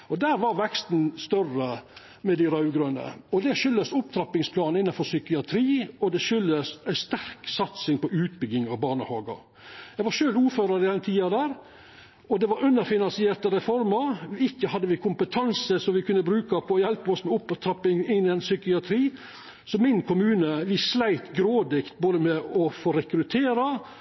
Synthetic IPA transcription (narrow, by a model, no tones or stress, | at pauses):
ɔd̪æːɾʋɑɾʋɛkst̪n̩st̪œrə | mɛd̪æɪɾɑʉɡɾønə̰ɔd̪ɛʃʏlːəsʊpt̪ʰɾɑpːɪŋspʰlɑːnɪnːɑnfɔsʏkɪɑt̪ʰɾiːɔd̪ɛʃʏlːəsæɪst̪æɾksɑt̪sɪŋpɔʔʉːt̪bʏɡɪŋɑʋbɑːɳəhɑːɡɑ̰ɾ | jæɡʋɑɾʃøːluːɾføːɾəɾɪd̪ɛnt̪ʰiːɑd̪æːɾ | ɔd̪ɛʋɑɾʉnːəɾfɪnɑnsɪeːɾt̪əɾɛfɔɾməɾʋɪɪkːəhɑd̪ːəʋɪkʰʊmpət̪ʰɑnsəsɔmʋɪkʉnːəbɾʉːkɑpʰɔjɛlpəɔsmɛʊpt̪ʰɾɑpːɪŋɪnænsʏkɪɑt̪ʰɾiː | sɔmɪnkʊmʉːnəʋɪsːlæɪt̪ɡɾoːd̪ɪkt̪̚boːd̪əmɛɔfoːɾɛkɾʉt̪ʰeːɾɑ